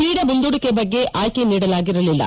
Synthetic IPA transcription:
liːɽɐbund̪oɽukːebɐɡːeʔʔaːjkeniːɽɐlaːɡiɾɐlilːɐ̰

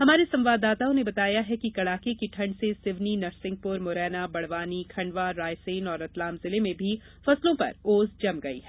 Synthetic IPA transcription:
ɦɐmaːɾesɐ̃mʋaːd̪ːaːt̪aʊ̃nebɐt̪aːjaɦɛkikɐɽaːkekiʈʰɐ̃ɳɖsesɪʋninɐɾsɪ̃ŋɡ̚pʊɾmʊːɾɛːnabɐɽ̤ʋaːnikʰɐ̃ɳɖʋaɾaːjseːnɔːɾɐt̪laːmzɪlemẽbʱi | fɐslõpɐ̰ɾoːzd͡ʒɐmɡɐḭɦɛː

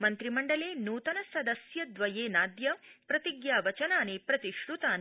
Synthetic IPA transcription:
mɐnt̪ɾimɐɳɖɐleːnuːt̪ɐnɐsɐd̪ɐsjɐd̪ʋɐjeːnaːd̪jɐpɾɐt̪iɡjaːʋɐt͡ʃɐnaːneːpɾɐt̪iʃɾut̪aːne

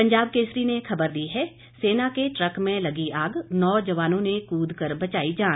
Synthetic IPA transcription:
pə̃ɲd͡ʒaːb̚keːsɾinexʰɐbəɾd̪iɦɛ | seːnakeʈɾəkmẽlɐɡiʔaːɡnɔːd͡ʒɐʋaːnõnekuːd̪ʱkəɾbɐt͡ʃaːid͡ʒaː

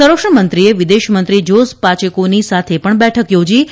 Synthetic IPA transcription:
səɾəkʂɳəmənt̪ɾieʋid̪eʃmənt̪ɾid͡ʒospat͡ʃəkonisat̪ʰepəɳbɛʈʰəkjod͡ʒi

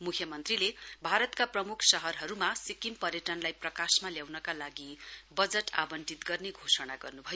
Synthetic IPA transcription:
mukʰjʌmʌnt̪rilebʱaɾʌt̪kaprʌmukʰsʌɦʌrɦʌɾumasikimpʌɾjʌʈʌnlajprʌkasmaljawnʌkalaɡibʌd͡zʌʈʰa̰bʌnʈit̪ɡʌrneɡʱosʌnaɡʌrnubʱʌjo

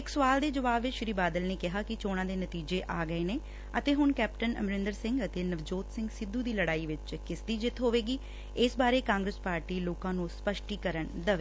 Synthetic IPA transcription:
ɪksʊʋaːld̪eːd͡ʒəʋaːbːɪt͡ʃʃɾiːbaːd̪əlneːkɪɦaːkɪt͡ʃoːɽ̃ãːd̪eːnət̪iːd͡ʒeːʔaːɡəeːneː | ət̪eːɦʊnkɛːpʈənə̰mɾɪ̃nd̪əɾsɪ̃ŋɡət̪eːnəʋd͡ʒoːt̪sɪ̃ŋɡsɪd̪ːuːd̪iːləɽaːiːʋɪt͡ʃkɪsd̪iːd͡ʒɪt̪ʰɦoːʋeːɡiː | ɪsbaːɾeːkãːŋɡɾəspaːɾʈiːloːkãːnũːspəʃʈiːkəɾəɳd̪əʋeː

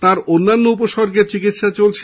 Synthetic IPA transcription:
t̪aɾonːanːoup̬oʃɔɾɡeɾt͡ɕikit̪ʃat͡ɕolt͡ɕʰ

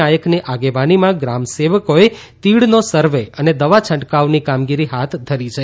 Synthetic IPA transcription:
ajəkniʔaɡeʋanimãɡɾamseʋəkoe | t̪iɽnosəɾʋeəned̪əʋat͡ʃʰə̃ɳʈkaʋnikamɡiɾiɦat̪ʰd̪ʱəɾit͡ʃʰe

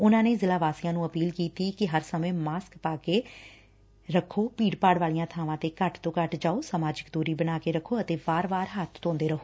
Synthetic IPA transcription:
ʊnãːneːzɪlaːʋaːsɪjãːnũːəpiːlkiːt̪iːkɪɦəɾsəmẽːmaːskpaːkeː | ɾəkʰːoːpiːɽpaːɽʋaːlijãːt̪ʰaːʋãːt̪eːkəʈt̪õːkəʈd͡ʒaːoːsaːmaːd͡ʒɪkd̪uːɾiːbənaːkeːɾəkʰːoːət̪eːbaːɾʋaːɾɦət̪ʰːõːnd̪eːɾəɦoː

